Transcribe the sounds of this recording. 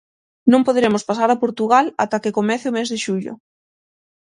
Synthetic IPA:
nõmpoðɾemʊspasaɾapoɾt̪uɣala̰t̪akekomɛθɪomezðɪʃuʎo̰

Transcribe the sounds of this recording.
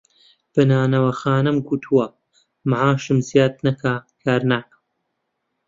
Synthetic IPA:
b̥ɨnaːnɐwɐxaːnɨmɡut̪ʰuwɐ | maʕaːʃɨmzijaːd̪̚nɐkʰaːkʰaːɾnaːkɐm

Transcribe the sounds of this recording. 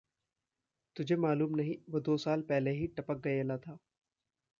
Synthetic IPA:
t̪ʊd͡ʒʱemaːluːmnɐɦĩʋɐd̪oːsaːlpɛɦleɦiʈɐpək̚ɡɐelat̪ʰaː

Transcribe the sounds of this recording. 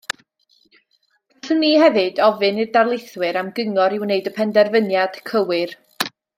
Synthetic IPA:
ɬənihɛvɨdɔvɨnɨrdarlˠɪjθwɨɾamɡəŋɔɾɪwneɨdɔpʰɛndɛrvənjad̥kʰəwɨr

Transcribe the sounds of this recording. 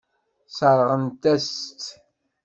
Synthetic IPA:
səɾˤʁənt̪æst̪

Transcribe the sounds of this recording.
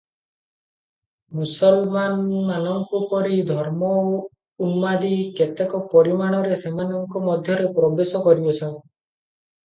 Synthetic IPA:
musɔlmanmanɔŋkupɔɾid̪ʱɔɾmɔ | unmad̪iket̪ekɔpɔɾimaɽ̃ɔɾesemanɔŋkɔmɔd̪ʱjɔɾepɾɔbesɔkɔɾibɔt͡ʃʰɔ

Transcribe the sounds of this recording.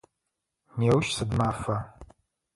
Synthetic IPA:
neːwʃsɨdmaːfɐ

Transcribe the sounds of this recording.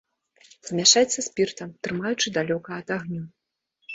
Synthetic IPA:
z̥mʲaʂajɛt̪sːɐsʲpʲirt̪ɐmt̪ɾɨmajut͡ʂɨd̪alʲɔkɐɐt̪aɣnʲu

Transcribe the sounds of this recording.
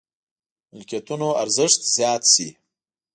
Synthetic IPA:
mɪlkʲjat̪unoaɾzɪʂt̪zjɑːt̪sḭ

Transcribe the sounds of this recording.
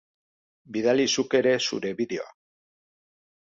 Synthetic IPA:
biðalisuke̞ɾe̞sṵɾe̞βiðe̞o̞̰a̰

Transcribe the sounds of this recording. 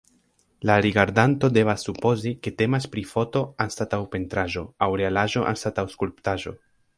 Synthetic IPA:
laɾiɡaɾdanto̞de̞vasːupo̞zike̞te̞maspɾifo̞to̞anstatawpe̞ntɾaʒo̞awɾe̞alaʒo̞ʔa̰nstatawskulptaʒo̞̰

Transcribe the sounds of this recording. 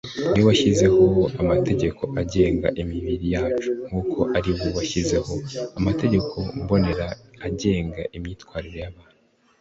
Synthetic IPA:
niwaʃize̞ho̞amatʰe̞ɟe̞kʰo̞ʔaɟe̞ːŋɡa̰ʔimiβiɾijaːt͡ʃuŋ̥huːkʰo̞ʔaɾiwowaʃize̞ho̞amate̞ɟe̞kʰo̞mbo̞ne̞ɾaaɟe̞ːŋɡaʔimɲiːtwaːɾiɾo̞jaβaːn̥u

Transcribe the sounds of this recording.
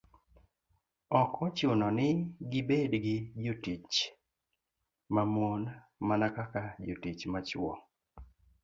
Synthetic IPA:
ɔkɔt͡ʃʊnɔnɪɡɪbedɡɪd͡ʒotit͡ʃ | mamon | manakakad͡ʒotit͡ʃmat͡ʃwɔ̰

